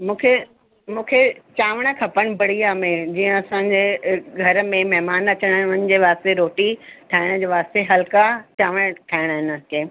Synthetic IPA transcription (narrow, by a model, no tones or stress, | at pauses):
mũːkʰe | mũːkʰet͡ɕaːʋəɽ̃ə̆kʰɐpəɽ̃̆bɐɽ̤ijamẽd͡ʑiːə̃ɐsãɲd͡ʑeːɡʱɐɾmẽmɛɦmaːnɐt͡ɕəɽ̃ɦɪnʊnən̆d͡ʑeːʋaːst̪eɾoːʈiʈʰaːɪɽ̃d͡ʑeːʋaːst̪eɦɐlkat͡ɕaːʋəɽ̃ʈʰaːɪɽ̃ɦɪn̆kẽː